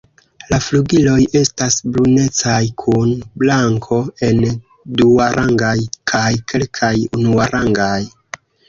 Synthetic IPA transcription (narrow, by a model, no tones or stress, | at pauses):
lafluɡilo̞je̞stasbɾune̞t͡sajkʰunblaŋkʰo̞e̞n | duaɾʔaŋɡajkʰajkʰe̞lkʰajunuaɾʔaŋɡaj